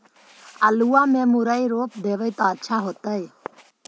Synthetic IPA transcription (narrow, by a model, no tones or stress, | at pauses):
aluːãːmẽːmʊɾaiɾoːp̚d̪eːʋəjt̪aːətːʃʰaːɦoːt̪əe